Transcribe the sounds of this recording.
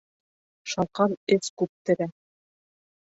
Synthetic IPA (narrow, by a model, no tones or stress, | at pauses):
ʃɑlˠqɑnɘskʉp̚t̪ɘ̆ɾæ